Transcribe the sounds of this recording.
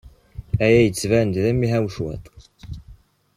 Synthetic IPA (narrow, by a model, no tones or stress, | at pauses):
æjæjət͡sːvænd̪ðæmːiɦæwʃwæ̰t̪ˤ